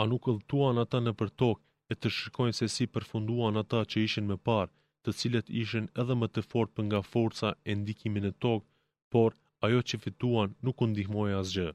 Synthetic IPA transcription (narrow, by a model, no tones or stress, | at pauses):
anukəlˠt̪uanat̪anəpəɾt̪ɔk̚ | ɛt̪əʃəɾkɔjnsɛsipəɾfund̪uanat̪at͡ɕəiʃinmɛpaɾ | t̪ət͡silət̪iʃ̬inɛðɛmət̪əfɔɾpəŋɡafɔɾt͡saɛnd̪ikiminət̪ɔk̚ | pɔɾ | ajɔt͡ɕəfit̪uanːukund̪ihmɔjas̬d͡ʑə